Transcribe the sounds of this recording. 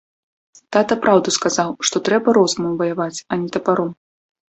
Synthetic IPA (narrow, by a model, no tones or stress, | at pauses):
t̪at̪ɐpɾawd̪uskazawʂt̪ɔt̪ɾɛbɐɾɔzmɨjuvɐjavat͡sʲɐnʲɛt̪ɐpaɾɔm